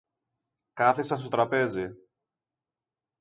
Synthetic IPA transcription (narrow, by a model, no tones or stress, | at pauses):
kɐθisɐnst̪o̞t̪ɾɐpe̞zi